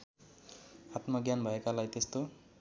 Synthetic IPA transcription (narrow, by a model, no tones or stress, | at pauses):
at̪maɡjanbʱʌekalajt̪est̪o